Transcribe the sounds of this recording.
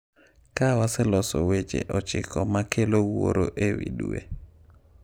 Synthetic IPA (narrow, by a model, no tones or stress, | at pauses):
kawasɛlɔsɔwet͡ʃḛʔɔt͡ʃɪkʰɔmakelowo̰ɾoʔewiduḛ